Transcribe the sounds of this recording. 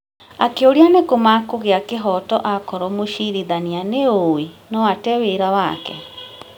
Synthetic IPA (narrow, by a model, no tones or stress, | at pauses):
akeoɾianekomakoɣeakeɦɔtɔʔakɔɾɔmoʃiɾiðanianeowenɔatɛweɾawakɛ̰